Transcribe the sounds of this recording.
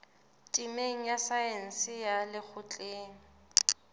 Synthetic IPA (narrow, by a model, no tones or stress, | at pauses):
tʼimeŋ̩jasajen̩sɪjalɪk͡xʰʊt͡ɬʼeːŋ̩